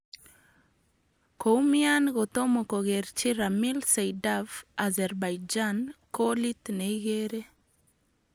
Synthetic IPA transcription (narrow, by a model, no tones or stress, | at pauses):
kʰoumianɡɔt̪omokɔɣɛɾt͡ʃiɾamilsɛjdavazɛɾbajd͡ʒankolit̪neiɣeɾe